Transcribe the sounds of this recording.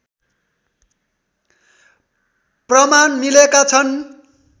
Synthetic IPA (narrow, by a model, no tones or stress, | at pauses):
prʌmanmilekat͡sʰʌn